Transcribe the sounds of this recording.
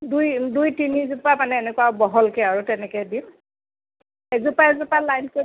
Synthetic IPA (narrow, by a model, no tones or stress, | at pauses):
dujdujtinizupamanɛːnɛkwabɔɦɔlkɛaɹutɛnɛkɛjdim | ɛzupaɛzupalajnko